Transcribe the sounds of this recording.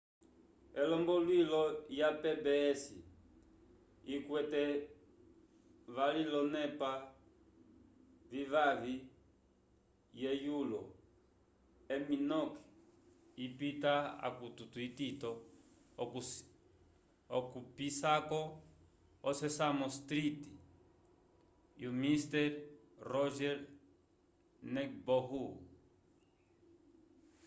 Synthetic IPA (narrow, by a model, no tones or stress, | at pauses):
ɛlɔmbɔlwilɔjapɛbɛsḭ | ikwɛtɛ | valilɔnɛpa | vivavi | jɛjulɔ | ɛminɔkɛ̥ | ipitaa̰kututuititɔ | ɔkupisakɔː | sɛsamɔst̪ɾiti | jumistɛɾ | rɔʒɛɾ | nɛkbɔɦu